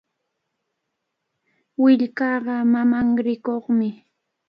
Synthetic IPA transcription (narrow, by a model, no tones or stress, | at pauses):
wɪʎkɑːɢɑmamaŋɾɪkoχmɪ